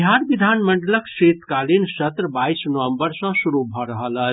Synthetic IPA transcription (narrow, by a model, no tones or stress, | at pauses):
ɦaɾʋid̪ʱanməɳɖələkset̪kalinsət̪ɾəbaisnəʋə̃mbəɾsə̃suɾubʱɔɾəɦələ